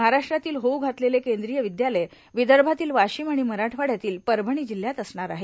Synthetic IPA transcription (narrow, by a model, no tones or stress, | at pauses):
məɦaɾaʂʈɾat̪iːlɦouɡʱat̪lelekend̪ɾijəʋid̪jaləj | ʋid̪əɾbʱat̪iːlʋaɕiːmaɽ̃iməɾaʈʰʋaɽ̤jat̪iːlpəɾbʱəɳ̃iːd͡ʑiljat̪əsɳaɾaɦe